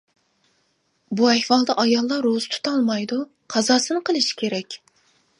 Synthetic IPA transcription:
buɛhwɑlˠd̪ɑʔɑjɑlˠːɑɾozɨt̪ʰu̥t̪ʰɑlˠmɑjd̪u | qʰɑzɑːsɨnɨqʰəlˠɨʃi̥kʲʰeɾɛkʲ

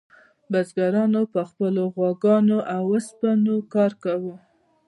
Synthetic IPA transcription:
bazɡaɾɑnopəxpəloɣwɑɡɑnoʔawəspanokɑɾkawu

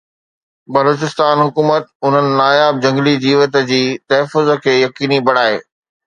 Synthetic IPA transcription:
bɐloːt͡ɕɪst̪aːnɦʊkuːmət̪ʊn̤ənɪ̆naːjaːb̚d͡ʑɐ̃ŋɡlid͡ʑiːʋət̪ə̆d͡ʑiːt̪ɐɦəfʊzə̆kʰeːjɐkiːnibɐɽ̤aːɦḛː

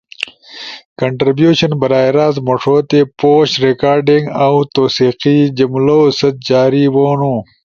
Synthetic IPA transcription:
kɐɳʈɾibjuːɕɐnbɐɾaːjɾaːzmoʂoːt̪epoːɕɾekaːɾɖiŋɡawt̪oːsiːqid͡ʑɐmloːsɐt̪̚d͡ʑaːɾiwoːnuː

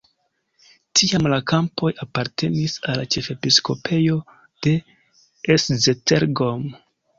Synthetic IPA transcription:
tʰiamlakampo̞japaɾtʰe̞nisalːat͡ʃe̞fe̞pisko̞pʰe̞jo̞ | d̥e̞ | szetʰeɾɡom

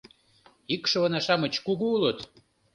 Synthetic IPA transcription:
ikʃɤ̆βənɑʃɑmə̆t͡ɕkuɣuulɤt̪

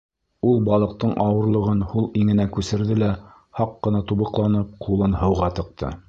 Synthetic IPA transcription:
ulˠbɑlˠɤ̆q̚t̪ɤɴʔɑwɤ̆ɾlˠɤ̆ʁɤnhulˠiŋɘ̆nækʉsɘ̆ɾðɘlæ | hɑqːɤ̆nɑt̪uβɤ̆qlˠɑnɤp̚qʰulˠɤnhɤ̆wʁɑt̪ɤ̆q̚t̪ʰɤ̰

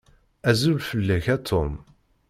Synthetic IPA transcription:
æzulfəlːæçæt̪ʰʊm

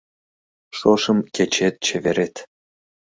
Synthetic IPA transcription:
ʂoʂɤ̆mkʲet͡ɕet̪̚t͡ɕʰevʲeɾʲet̪ʲ

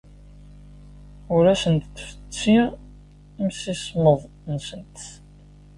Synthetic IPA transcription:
ʊɾæsənt̪θfə̥t͡sːi | msisməðˤ | nsənt̪

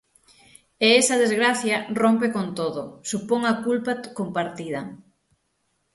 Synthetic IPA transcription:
eesɐðezɣɾaθjɐrompekont̪oðʊsupoŋɐkulpɐkompaɾt̪iðɐ

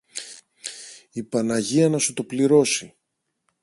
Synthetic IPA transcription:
ipɐnɐʝiɐnɐsut̪o̞pliɾo̞si

